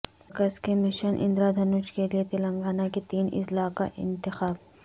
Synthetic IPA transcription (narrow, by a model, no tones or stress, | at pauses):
kəskemɪʃənʔɪ̰̃nd̪ɾad̪ʱɐnut͡ʃkeliet̪elɐ̃ŋɡaːnaket̪iːnɪ̰zlaːka̰ʔɪ̰̃nt̪ɪxaːb